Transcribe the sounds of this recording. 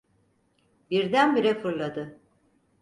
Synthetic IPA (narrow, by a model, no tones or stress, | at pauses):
biɾd̪ænbiɾɛfɯɾlˠad̪ɯ